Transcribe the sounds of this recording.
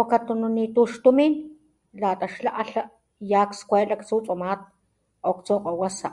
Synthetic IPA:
okat̪ununit̪uʃt̪umin | lat̪aʃlaʔaɬaʔ | jaːkskʷeːlakt͡sut͡sʼumaːt̪̚ | okt͡soːqʼowasa̰ʔ

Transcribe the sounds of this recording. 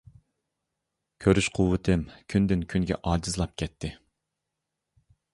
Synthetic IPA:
kʲʰøɾyʃqʰʊwːɨt̪ʰɪmkʲʰynd̪ɪnkʲʰyŋɡʲɛ̰ʔɑːd͡ʒizlˠɑp̚kʲʰɛt̪ʰːɪ

